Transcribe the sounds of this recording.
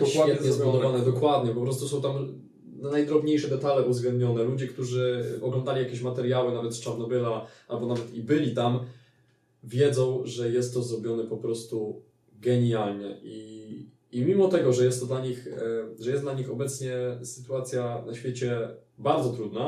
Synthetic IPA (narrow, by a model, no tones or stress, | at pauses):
d̪̥ɔwad̪ɛɲɛzbwud̪ɔvanɛd̪ɔkwad̪ɲɛpɔpɾɔst̪usɔ̃w̃t̪am | najd̪ɾɔbɲejʂɛd̪ɛt̪alɛʔuvzɡlɛnd̪̚ɲɔnɛlud͡ʑɛkt̪uʐɘɔɡlɔ̃nd̪alʲijakʲeɕmat̪ɛɾjawɘnavɛt̪st͡ʂaɾnɔbɘlaʔalbɔnavɛt̪ibɘlʲit̪am | vʲjɛd̪zɔ̃w̃ʐɛjɛst̪ːɔzɾɔbʲjɔnɛpɔpɾɔst̪u | ɡɛɲjalɲɛʔiː | mʲimɔt̪ɛɡɔʐɛjɛst̪ːɔd̪laɲixʐɛjɛsd̪laɲixɔbɛt̪sɲɛsɘ̥t̪uat̪sʲjanaɕfʲjet͡ɕɛbaɾd̪zɔt̪ɾud̪na